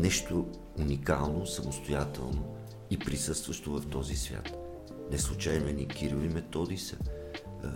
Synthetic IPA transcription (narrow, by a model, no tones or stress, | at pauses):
nɛʃt̪o | unika̰lˠnosəmost̪ojat̪ɛlˠno | ipɾisɤst̪vəʃt̪ovɐft̪ɔzisvʲja̰t̪ | nɛslˠut͡ʃajnɛnikiɾivimɛt̪ɔd̪isə